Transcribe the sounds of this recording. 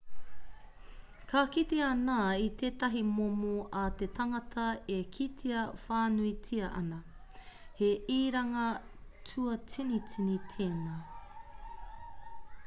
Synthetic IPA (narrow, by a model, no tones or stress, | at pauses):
kʰakit̪eanaːit̪ʰeːtɐɦimomoʔat̪et̪ʰɐŋɐtʰɐekʰitʰeɐfaːnuitʰiɐʔɐ̰nɐ | heiːɾɐŋɐtʰuɐt͡sinit͡sinit̪ʰeːnaː